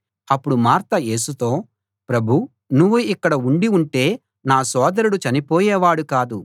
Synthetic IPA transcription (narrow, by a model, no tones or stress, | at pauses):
ɐpːuɽumaːɾt̪ɐje̞ːsut̪o̞ː | pɾɐbʱu | nuʋːuikːɐɽɐuɳɖiuɳʈe̞ː | naːsɔːd̪ɐɾuɽut͡ʃɐnipoːjɛːʋaːɽukaːd̪u